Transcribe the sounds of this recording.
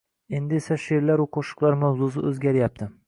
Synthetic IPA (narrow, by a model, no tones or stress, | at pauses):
e̞nd̪ɪesaʃeɾlaɾuqʰoʃʊ̥qlˠaɾmawzus̬ɪɵzɡʲaɾjap̚t̪ʰɪ